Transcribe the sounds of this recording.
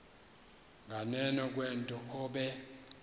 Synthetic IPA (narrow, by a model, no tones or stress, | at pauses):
ŋɡʱanɛnɔk̬ʼwɛntʼɔɔɓɛ